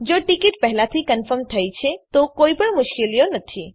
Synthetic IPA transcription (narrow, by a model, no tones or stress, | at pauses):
d͡ʒoʈɪkiʈpɛɦlat̪ʰikənfəɾmt̪ʰəjt͡ʃʰet̪okoipəɳmʊʃkelijonət̪ʰi